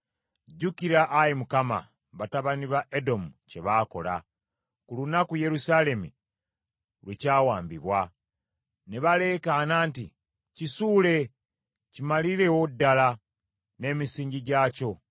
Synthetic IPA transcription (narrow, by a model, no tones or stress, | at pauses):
ɟukiɾaʔːjimukama̰ | βataβaniβaʔedo̞muce̞βaːko̞̰la̰ | kulunakuje̞ɾusale̞mu | lwecaːwaːmbiβwa | neβale̞ːkanaːnti | cisuːle̞ | cimaliɾe̞wodːala | ne̞ːmisiːɲɟiɟaːco̞